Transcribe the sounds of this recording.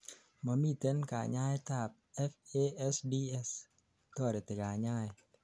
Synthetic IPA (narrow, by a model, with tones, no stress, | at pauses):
mɔ˨mi˦˨t̪e˦nka̰˨ɲa˦jt̪a˧˨p̚ɛ˦fe˦ɛ˦sdi˦ɛ˦s | t̪ɔ˦˨ɾe˨t̪e˨ka˨ɲa˦˨j